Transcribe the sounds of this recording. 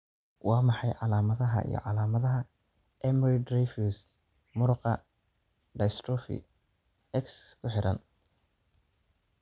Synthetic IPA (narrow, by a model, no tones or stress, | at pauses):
wɑːmɑħɑjʕɑlaːmɐðɐɦɐ̰ḭjɞ̰ʕɑlaːmɐðɐɦɐ | ʔɛmɾid̪rɛfus | mʊɾʊqɐ | ɖɐjst̪ɾɔfḭ | ɛkskʰʊħɪɾʔɐ̰n